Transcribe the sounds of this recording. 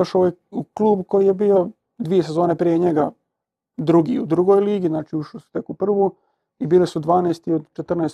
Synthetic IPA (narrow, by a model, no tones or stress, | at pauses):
joʃoojuklˠuːbko̞jijebiːo̞ | d̪ʋiːese̞zo̞ːnepɾijeɲe̞ɡa | d̪ɾuɡḭud̪ɾuɡo̞jliːɡiznaːt͡ʃiuʃlisu̥t̪ekupr̩ʋu | ibiːlisud̪ʋaːneːst̪iod̪t͡ʃet̪r̩naːs